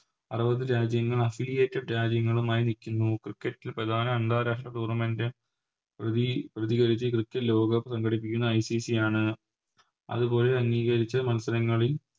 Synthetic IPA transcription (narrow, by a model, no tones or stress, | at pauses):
ɐrɐbɐðɨɾaːd͡ʑjɐŋːɐɭɐfilijeːtːiɖɾaːd͡ʑjɐŋːɐɭumaːjinikʲːunːukrikːɐtːilprɐd̪ʱaːnɐeɳd̪aːɾaːʂʈrɐʈuːrnɐmendɨ | iprɐðiɣɐɾit͡ɕːɨkrɨkːɐtlo̞ːɡɐpsɐŋɡʱɐɽip̬ːikʲːunːɐːjsisijaːɳɨ | ɐ̰ðubo̞ːleɐŋːiːɣɐɾit͡ɕːɐmɐnsɐɾɐŋːɐɭil